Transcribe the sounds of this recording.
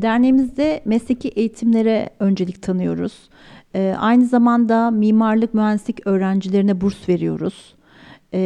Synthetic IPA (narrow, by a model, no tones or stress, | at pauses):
d̪æɾnemizd̪ɛmɛsecʰiʔejit̪ʰimlʲe̞ɾɛø̞nd͡ʒe̞lʲict̪ʰanɯjo̞̰ɾṵz̥ː | ʔajnɯzamand̪amiːmaɾlˠɯk̚myɦænd̪isʲicø̞ːɾænd͡ʒilʲe̞ɾinɛbuɾsve̞ɾijo̞̰ɾuz̥